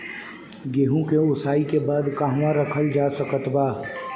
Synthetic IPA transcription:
ɡeːɦũkeʊsaːikebaːd̪kaːɦʋãɾəkʰəld͡ʒaːsəkət̪baː

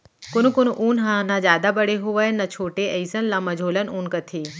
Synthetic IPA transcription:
konũkonuʔuːnɦãnãd͡ʒaːd̪abəɽeɦuʋanːɐt͡ʃʰoːʈeʔəjsənlamɐd͡ʒʱoːlənuːnkət̪ʰiː

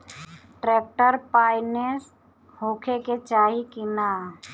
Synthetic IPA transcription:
ʈɾeːk̚ʈəɾpaːɪnes | hoːkʰeket͡ʃaːɦikɪnaː

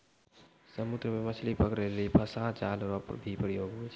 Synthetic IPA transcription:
səmud̪ɾəmemət͡ʃʰlipəkɾelipʰəsãt͡ʃaːlɾɔpb̪ʱipɾəjoːɡɦot͡ʃʰ

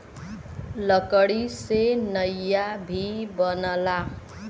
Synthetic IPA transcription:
lʌkʌɽisenʌjːabʱibʌnʌla

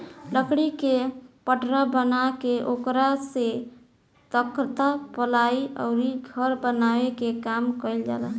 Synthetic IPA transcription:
ɖəkɽikepəʈɾabənakeʔokɾase | t̪əkɾt̪apəlaiɔ̰ʊɾiɡʱəɾbənawekekamkəɪld͡ʒa̰lə

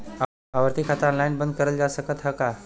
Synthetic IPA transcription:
aʋəɾt̪ikʰat̪əɾɔ̃nlajnbənd̪̚kəɾəld͡ʑasəkʰət̪ɦəka

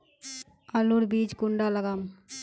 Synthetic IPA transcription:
ɐluɽbiːd͡ʒɡuɳɖalɐɡam

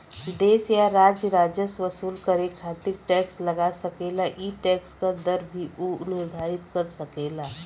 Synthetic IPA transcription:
d̪eːsjaɾaːd͡ʒjəɾaːd͡ʒjəsʋəsuːlkəɾekʰaːt̪ɪk̚ʈɛːkslɐɡasɐkeːlaʔiʈɛːkskad̪əɾbʱiunɪɾd̪ʱaːɾɪt̪kɐɾsɐkeːlaː

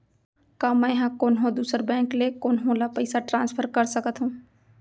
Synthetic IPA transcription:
kãːmɛ̃jɦãkoːnɦõd̪uːsəɾbɛ̃ːŋklekoːnɦõlapəɪsaʈɾãːnspʰəɾkɐɾsəkət̪ɦũː

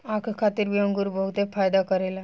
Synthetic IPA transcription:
akʰkʰat̪iːɾbiəŋɡuːɾubəɦut̪efajd̪akəɾela

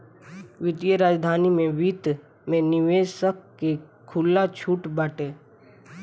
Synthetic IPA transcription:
ʋɪd̪ijəɾaːd͡ʒd̪ʱaːnimẽʋiːt̪ | mẽnɪʋeːsəkːekʰʊlːat͡ʃʰuːʈbaːʈeː

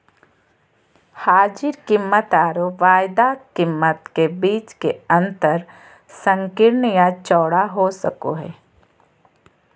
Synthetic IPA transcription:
haːd͡ʒɪɾkɪmːət̪aːɾoʋaːjd̪akɪmːət̪kebiːt͡ʃkeɐ̃nt̪əɾ | sə̃ŋkɪɾnəjat͡ʃɔːɽaɦosəko̰ɦɛ̰ː

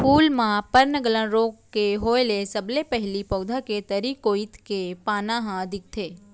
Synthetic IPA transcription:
pʰulmãpəɾnəɡələ̃nɾokːeɦoelesəblepəɦlipəwd̪ʱaket̪əɾikoit̪kepanãɦãəd̪ʱik̚t̪ʰe

